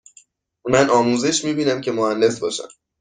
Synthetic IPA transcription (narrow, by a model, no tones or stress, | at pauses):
mænʔɒːmuːzeʃmiːbiːnæmcʰe̞mohænde̞sbɒ̰ːʃæ̰m